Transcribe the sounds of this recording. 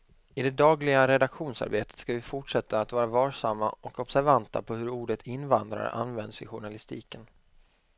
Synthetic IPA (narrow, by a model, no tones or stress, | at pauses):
ɪd̪ɛd̪ɑːɡlɪɡaɾɛd̪akɧuːnsa̰ɾbeːt̪ə̥t̪skavɪfʊʈʂɛt̪ʰːaːt̪vɑːɾavɑːʂamːaʔɔkɔbsæɾvant̪a̰pʰɔhɵɾuːɖət̪ʰɪnːvand̪ɾa̰ɾə̰ʔa̰nvɛnd̪sɪ̰ɧʊɳalɪst̪iːkən